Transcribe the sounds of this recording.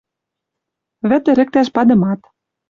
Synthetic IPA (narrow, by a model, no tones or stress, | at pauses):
βɘ̆t̪ɘ̆ɾɘ̆k̚t̪æʃpɑd̪ɤ̆mɑt̪